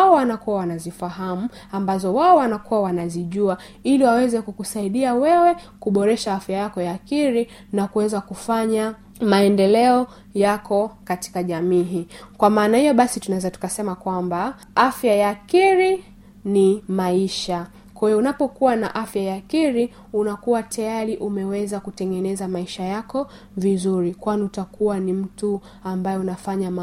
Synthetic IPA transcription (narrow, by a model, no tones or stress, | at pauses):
ɔwanakuwawanazifaɦamuambazɔwaɔwanakuwawanaziʄua | iliwawɛzɛkukusaiɗiawɛwɛkuɓɔɾɛʃaafjajakɔjaːkiɾi | nakuwɛzakufaɲa | maɛndɛlɛɔ | jakʰɔkati̥kaʄamiːɦiːkwamaːnahijɔɓasitunaɛzatu̥kasɛmakwamba | afjajaːkiɾi | nimaiʃa | kwajɔunapɔkuwana̰ʔafjajaːkiɾi | unakuwatajaɾiʔumɛwɛzakutɛŋɡɛnɛzamaiʃajakɔ | vizuɾikwaniutakuwanim̩tu | ambajɛunafaɲa